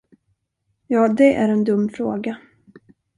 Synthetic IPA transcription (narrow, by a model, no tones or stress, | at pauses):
jɑːd̪ɛʔæɾɛnd̪ɵmːfɾoːɡa